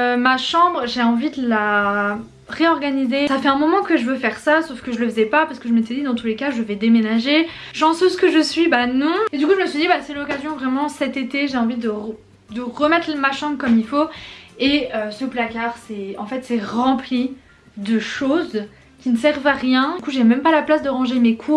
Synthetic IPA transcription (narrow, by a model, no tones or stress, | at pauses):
ømaʃɑ̃bʁəʒeɑ̃vid̪əla | ʁeɔʁɡanizesafɛɛ̃mɔmɑ̃kəʒəvøfɛʁsasofkəʒələfəzɛpapaʁsə̥kəʒəmet̪ɛd̪id̪ɑ̃t̪ulekaʒəvɛd̪emenaʒe | ʃɑ̃søzkəʒəsɥibanɔ̃ed̪ykuʒəməsɥid̪ibasɛlɔkazjɔ̃vʁɛmɑ̃sɛt̪et̪eʒeɑ̃vid̪ə | d̪əʁəmɛt̪χmaʃɑ̃bʁkɔmilfoeøsəplakaʁsɛɑ̃fɛt̪sɛʁɑ̃pli | d̪əʃoz | kʲinəsɛʁvaʁjɛ̃ykuʒemɛ̃mpalaplasd̪əʁɑ̃ʒemekʰu